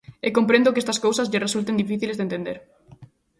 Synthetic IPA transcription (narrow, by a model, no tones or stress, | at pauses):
ekompɾẽnd̪ʊkest̪ɐskowsɐzʎɪresult̪end̪ifiθilezðent̪end̪eɾ